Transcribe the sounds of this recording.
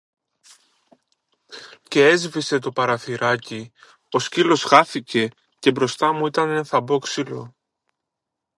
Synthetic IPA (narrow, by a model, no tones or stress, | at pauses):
ce̞e̞zvise̞t̪o̞pɐɾɐθiɾɐci | o̞scilo̞zɣɐθice̞ | ce̞bɾo̞st̪ɐmuit̪ɐnenθɐbo̞ksilo̞